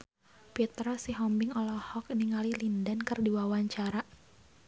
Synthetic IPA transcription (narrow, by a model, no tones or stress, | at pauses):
pit̪ɾasiɦɔmbɪŋɔlɔhɔkniŋalilindankərdiwawaɲt͡ʃaɾa